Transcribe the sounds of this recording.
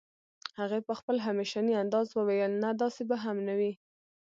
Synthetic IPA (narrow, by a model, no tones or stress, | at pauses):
haɣepəxpəlɦameʃɑniand̪ɑzwəwajəlnad̪ɑsebaɦamnawi